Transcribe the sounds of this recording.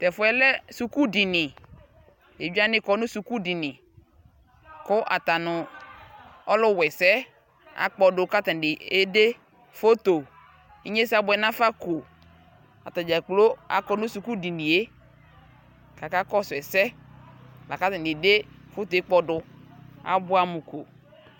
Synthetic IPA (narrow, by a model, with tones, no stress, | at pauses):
tɛ˨fʊ˨˦ɛ˨lɛ˦su˨ku˦di˨nɪ˨ | e˨bi˦a˦nɪ˦kɔ˦nʊ̃˦su˨ku˦di˨nɪ˨ | kʊ˦ʔa̰˨t̪a˨nʊ˨ | ɔ˦lʊ˦wɛ˨sɛ˦ | a̰˨k͡pɔ˨dʊ˨ka˦ta˨dɪ˨e˦de˦ | fo˦t̪o˨ | i˦ɲe˦sa˦bʊ˨˦ɛ˨nã˦fa˦ko˨ | a̰˨ta˨d͡ʒa˨k͡plo˦a̰˨kɔ˦nʊ̃˦su˨ku˦di˨nĩ˨e˦ | ka˨ka˦kɔ˦sʊ˨ɛ˨sɛ˦ | la˨ka˦ta˨nɪ˨de˦fo˦t̪o˨e˦k͡pɔ˨dʊ˨a̰˨bʊ˦a˦mʊ˨ko˨